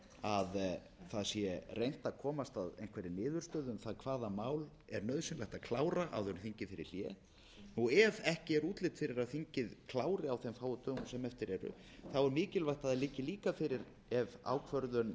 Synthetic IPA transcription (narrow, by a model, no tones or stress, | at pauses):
að | θaðsjɛrʔejn̥t̪aðkʰɔːmast̪aðḛjn̥kvɛːɾɪnɪːðʏɾ̥st̪œːðʏmθaðkʰv̥aːðamaːwl | ɛɾnœðsʏnlɛjht̪akʰlaːwɾaʔa̰wθɛɾmθiɲcɪfɪɾɪ̰ɾ̥l̥jɛ | nuɛvɛhcɪɛɾuːt̪lɪt̪fɪɾɪɾaðθiɲcɪðkʰlaːwɾɪawθɛmfaːwʏt̪ʏmsɛmɛft̪ɪɾɛɾʏ̰ | θawɛɾmɪːcɪlvajht̪aðɛlɪcːɪliːkafɪɾɪɾ | ɛva̰ːwkʰvœɾðʏn